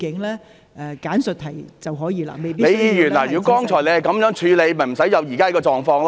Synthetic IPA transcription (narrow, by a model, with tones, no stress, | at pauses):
kɪ˨˥ŋlɛː˥ | ʔɛː˨˩kaː˨˥nsɵ˨t̚hʰɐ˨˩jt͡sɐ˨wɦɔː˨˥jiː˨˧la̰ː˧˩me˨jpi˥ne˥˨˧jiː˨˧jyː˨˩nlɔː˨˩jjyː˨˧˥kɔː˥ŋt͡ʃʰɔː˨˩jle˧jhjkɐ˨˥mjœː˨˥ŋt͡ʃʰyː˨˧le˨˧jmɐ˨˩jm̩˨˩sɐ˨˥jɐ˨˧wjiː˨˩kaː˥ɐ˨˥kɔː˧t͡ʃɔː˨ŋfɔː˧ŋla˧